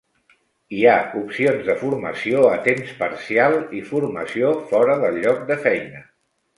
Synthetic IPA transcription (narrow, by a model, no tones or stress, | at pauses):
iaupsionzðəfuɾmə̰sioət̪emspəɾsialˠifuɾməsiofɔɾəðəlˠʎːɔk̚d̪əfɛjnə